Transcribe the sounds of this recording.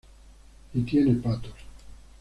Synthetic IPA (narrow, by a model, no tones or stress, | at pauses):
it̪jenepat̪o̥ɾ